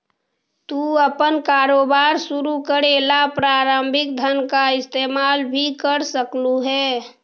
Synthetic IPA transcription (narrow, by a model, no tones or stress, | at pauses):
t̪uəpənkaːɾoːbaɾsuɾukəɾelapɾaːɾəmbʱɪk̚d̪ʱənkaɪst̪eːmalbʱikəɾsəkluɦɛː